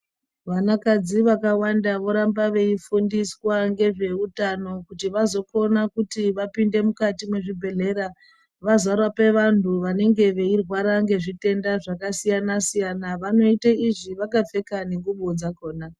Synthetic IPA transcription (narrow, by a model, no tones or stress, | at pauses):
ʋanakad͡ziʋakawandaʋo̞ɾambaʋe̞ifundiswaŋɡe̞ʐe̞utano̞kutiʋazo̞kʰo̞nakutiʋapinde̞mukatimwe̞ʐibʱe̞ɮe̞ɾa | ʋazarwape̞ʋantuʋane̞ŋɡe̞ʋe̞irwaɾaŋɡe̞ʐite̞ndaʐakasijanasijanaʋano̞itaiʐiʋakafe̞kaneŋɡuɓod͡zako̞ːna